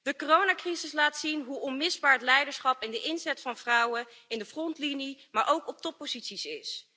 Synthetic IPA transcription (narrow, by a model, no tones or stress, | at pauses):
d̥əkorownaːkrizɪslaːtsinɦuɔnmɪzbaːɹətlɛjdəɹsχɑpɪndəʔɪnzɛtfɑnv̥rʌwəɪndəfrɔntlinimaːɹʔowkɔp̚tɔpːozitsisɪs